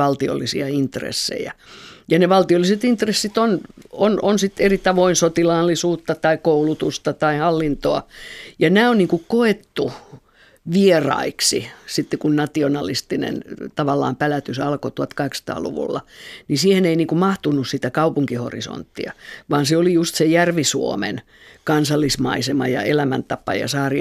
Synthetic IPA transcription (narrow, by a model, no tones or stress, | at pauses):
ɑlt̪io̰lːisḭɑint̪rḛsːḛjæjɑneʋɑlt̪iolːiset̪int̪resːit̪onononsit̪erit̪ɑʋoinsot̪ilɑːlːisuːt̪ːɑt̪ɑikoulut̪ust̪ɑt̪ɑihɑlːint̪oɑjɑnæːonniːŋkukkoet̪ːu | ʋierɑ̰iksisit̪ːekunnɑt̪ionɑlist̪inḛnt̪ɑʋɑlːɑ̰ːmpælæt̪ysɑlkot̪uɑt̪kɑheksɑ̥t̪ɑ̰ːlṵʋṵlːɑnisiːheneiniːŋkumɑht̪unussit̪ækɑupuŋkiho̰rḭso̰nt̪ːiɑʋɑːnseolijust̪sejærʋisuo̰mḛn | kɑnsɑlːismɑ̰isemɑjɑ̰elæmænt̪ɑpːɑ̰jɑ̰sɑːri